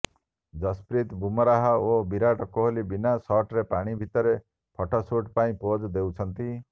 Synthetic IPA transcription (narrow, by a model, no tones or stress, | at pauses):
d͡ʒɔspɾit̪bumɔɾaɦaobiɾaʈɔkoɦolibinasɔʈɾepaɽ̃ibʱit̪ɔɾe | pʰɔʈʰɔsoʈpaĩpod͡ʒd̪ewt͡ʃʰɔnt̪i